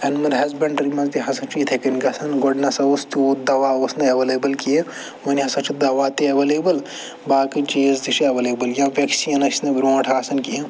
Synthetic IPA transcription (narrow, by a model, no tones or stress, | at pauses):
ɐnmɐɾɦɐzbʲɐɳɖɾimɐzd̪iɦɐsɐt͡ʃʰit̪ʰɐkɐnɡɐsɐnɡoɖnɐsɐost̪uːd̪ɐʋaːoːsnɐɐʋeleːbɐlki | oniɦɐsɐt͡ʃʰid̪ɐʋaːt̪iɐʋeleːbɐl | baːkit͡ʃeːzd̪iʃiɐʋɐleːbɐljãːʋʲɐksiɐnɐsnɐbɾõːʈʰaːsɐnki